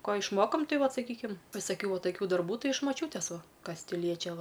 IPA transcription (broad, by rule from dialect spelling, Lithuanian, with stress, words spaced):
ˈkoː ɪʃˈmoːkoːm ˈtɐɪ ˈʋɐt sɐˈkʲiːkʲɪm ʋʲɪsɐˈkʲuː ʋɐ tɐˈkʲuː ˈdɐrbuː ˈtɐɪ ɪʃ mɐˈt͡ʃʲuːtʲeːs ˈʋɐ ˈkɐs ˈtʲɪ ˈlʲiɛt͡ʃʲɛ ˈʋɐ